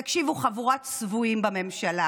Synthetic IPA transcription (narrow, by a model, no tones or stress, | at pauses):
akʃivuχavuʁat̪svuimbame̞mʃala